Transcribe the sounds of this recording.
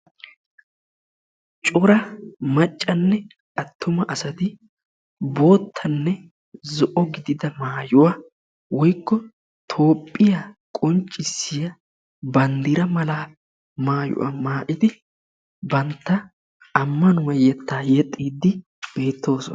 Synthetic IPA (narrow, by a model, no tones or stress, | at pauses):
t͡ʃʼʊɾɐmɐt͡ʃʼːɐnːɛ | ʔɐt̪ʰːʊmɐʔɐsɐt̪ɪ | bo̞ːt̪ʰːɐnːɛ | zɔʔɔɡɪd̪ɪd̪ɐmaːjʊwa | wɔjkːɔ | t̪ʰo̞ːpʼːɪjakʼɔnt͡ʃʼːɪsɪjɐ | bɐnd̪ɪɾɐmɐlaː | maːjʊ̰ʔa̰maːʔɪt̪ɪ | bɐnt̪ːɐ | ɐmːɐnʊwɐjɛt̪ːaːjɛt̪ʼːiːd̪ːɪ | b̥e̞ːt̪ʰːo̞ːsɔ